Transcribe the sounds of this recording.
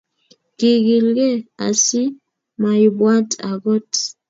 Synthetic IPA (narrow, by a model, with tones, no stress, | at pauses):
ki˨ɣi˨lɡɛ˦a˨si˦ | ma˨i˨bwa˦tʼa̰˨ɣɔ˦t